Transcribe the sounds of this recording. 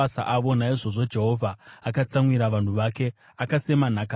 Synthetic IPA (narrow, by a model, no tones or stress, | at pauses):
asa̰ʔaʋo̞naiʐo̞ʐo̞d͡ʒe̞ɦo̞vʱaːkat͡samwiɾaʋan̤uʋake̞ | akase̞man̤aka